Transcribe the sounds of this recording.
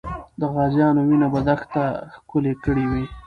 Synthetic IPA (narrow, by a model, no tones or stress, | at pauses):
d̪əɣɑzjɑnowinabad̪axt̪axkʊlekəɽiwi